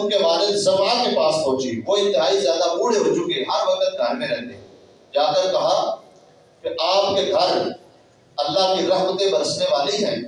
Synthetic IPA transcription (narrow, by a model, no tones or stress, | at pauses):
kemaːnezɐmaːkepaːspɔ̃ːt͡ʃiʋoɪ̃nt̪ɪɦaːizjaːd̪abuːɽeɾʊd͡ʒuɡeɦɐɾʋɐkət̪̚ɡʱɐɾmẽɾɛ̃ɦd̪ẽ | d͡ʒaːkɐɾkɐɦa | kɪʔaːp̚keɡʱɐɾ | ɐlːaɦkiɾɐɦmət̪ẽbɐɾəsneʋaːleɦɛ̃ː